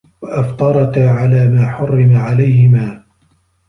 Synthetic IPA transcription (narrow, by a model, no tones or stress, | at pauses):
waʔaft̪ˤɑɾˤɑkaʕalaːmaːħʊrːɪmaʕalajhɪmaː